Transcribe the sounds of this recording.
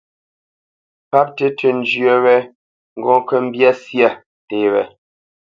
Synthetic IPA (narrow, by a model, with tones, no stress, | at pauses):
pa˦p̚te˦tə˨n̩˦d͡ʒɥə˦wɛ˦ | ŋ̩˨ɡɔ̃˦kə˦m̩˦bja˦sja˦ | te˨wɛ̰˨